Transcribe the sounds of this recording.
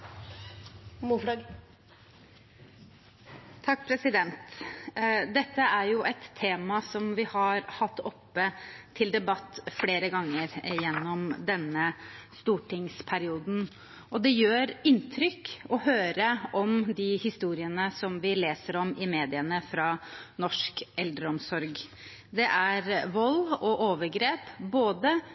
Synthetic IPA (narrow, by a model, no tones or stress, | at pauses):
t̪ʰɑk̚ːpʰɾɛsɪd̪ɛnt̪ | d̪ɛt̪ːəæɾjʊʔɛt̪ʰːeːmɑsɔmʋɪhɑɾhɑt̪ːɔpːət̪ʰɪld̪ɛbɑt̪ːfɽeːɾəɡɑŋːəɾjɛnːɔmd̪ɛnːəst̪uːʈʰɪŋspʰæɾɪuːd̪n̩ | ʔɔd̪ɛjøːɾɪnːt̪ʰɾʏkɔhøːɾəʔɔmd̪ɪhɪst̪uːɾɪənəsɔmʋɪleːsəɾɔmɪmeːd̪ɪənəfɾɑnɔʂkɛld̪ɾəɔmsɔɾɡ | d̪ɛʔæɾʋɔlːɔʔoːʋəɾɡɾeːpboːd̪ə